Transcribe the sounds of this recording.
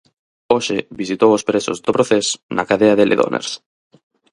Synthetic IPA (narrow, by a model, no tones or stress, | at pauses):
oʃeβisit̪owospɾeso̰zðopɾoθesnakaðeaðelʔḛðo̰nʔḛɾs